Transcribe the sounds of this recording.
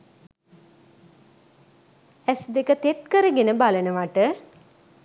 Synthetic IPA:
ɛsd̪ekət̪et̪̚kəɾəɡenəbalənəʋaʈə

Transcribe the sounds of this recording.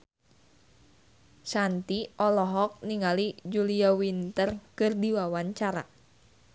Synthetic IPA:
sant̪iʔɔlɔɦɔk̚niŋalid͡ʒuliawint̪ərkɨrdiwawaɲt͡ʃaɾa̰

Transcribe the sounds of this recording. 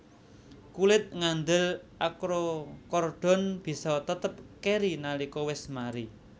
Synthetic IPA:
kulɪt̪̚ŋand̪əlʔakɾokɔrɖ̪̥ɔ̤nb̥i̤sɔt̪ət̪əp̚keɾinalikɔwɪsmaɾi

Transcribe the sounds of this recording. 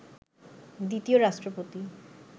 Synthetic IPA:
d̪it̪ioɾaʃʈɾopot̪i

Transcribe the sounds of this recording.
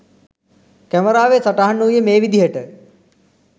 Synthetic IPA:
kæməɾaːʋesaʈaɦanujəmeːʋid̪ijəʈə

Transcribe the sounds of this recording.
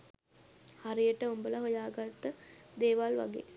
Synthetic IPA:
haɾijəʈəumbələɦojaːɡat̪ːəd̪eːʋalʋa̰ɡḛː

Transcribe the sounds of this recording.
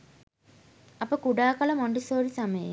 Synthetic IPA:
ɐpəkuɖaːkɐlɐmɔɳɖisoːɾisaməjḛ

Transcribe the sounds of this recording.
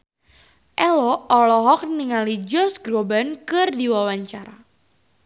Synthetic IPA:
ʔɛlɔɔlɔɦɔk̚niŋalid͡ʒɔsɡɾobankɨrdiwawaɲt͡ʃaɾa

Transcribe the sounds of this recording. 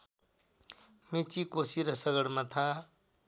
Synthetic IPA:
met͡sikosiɾʌsʌɡʌɽmat̪ʰa

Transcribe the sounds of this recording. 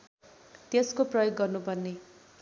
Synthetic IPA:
t̪eskoprʌjoɡːʌrnubʱʌnːe

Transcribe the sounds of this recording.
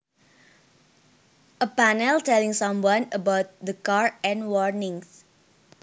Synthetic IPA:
ʔəpanɛltɛlĩŋsʌ̃mwãnəbaʊt̪̚d̪əkaɹɛ̃nwɔɹnĩŋs

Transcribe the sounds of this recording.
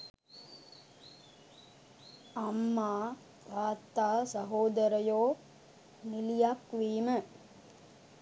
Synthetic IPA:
ɐmːaː | kaːt̪ːaːsɐɦoːd̪ɐɾɐjoː | nilijakʋiːmə

